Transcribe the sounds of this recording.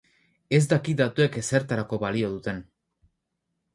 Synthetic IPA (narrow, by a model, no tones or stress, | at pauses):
e̞zd̪akid̪at̪ue̞kese̞ɾt̪aɾako̞βalio̞ð̞ut̪e̞n